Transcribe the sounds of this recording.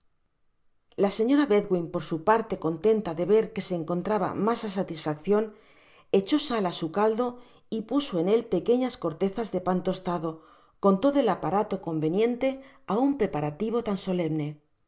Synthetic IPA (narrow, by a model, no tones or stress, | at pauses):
lase̞ɲo̞ɾaβe̞ðɣwimpo̞ɾsupaɾt̪e̞ko̞nt̪e̞nt̪aðe̞βe̞ɾke̞se̞ːŋko̞nt̪ɾaβa̰masas̬at̪isfakθjo̞n | e̞t͡ʃo̞salasukald̪o̞ | ipuso̞e̞ne̞lpe̞ke̞ɲasko̞ɾt̪e̞θazðe̞pant̪o̞st̪aðo̞ | ko̞nt̪o̞ðoelapaɾat̪o̞ko̞mbe̞njẽ̞nt̪e̞ | aumpɾe̞paɾat̪iβ̞o̞t̪anso̞le̞mne̞